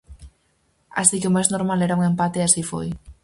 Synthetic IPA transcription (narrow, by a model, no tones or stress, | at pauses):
a̰sikeomajznoɾmaleɾauŋempat̪easifo̰j